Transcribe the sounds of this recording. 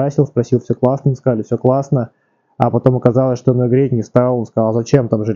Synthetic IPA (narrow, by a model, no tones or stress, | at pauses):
asʲɪlˠspɾɐsʲilˠfsʲɵklˠasnəməskɐzalʲɪfsʲoklˠasnə | apɐt̪o̞məkɐzalˠəsʲʂt̪onʲoɡɾʲetʲnʲɪst̪alˠonskɐzalˠzɐt͡ɕe̞mt̪amʐɨ